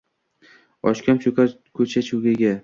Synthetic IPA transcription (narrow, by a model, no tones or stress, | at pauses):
ɒʃkʲamt͡ʃʰokʲa | kʰɵt͡ʃʰat͡ʃʰuɡʲaɡʲa